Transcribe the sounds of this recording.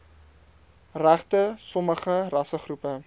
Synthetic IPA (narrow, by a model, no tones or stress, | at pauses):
ræχtəsɔməχərɐsəχrupə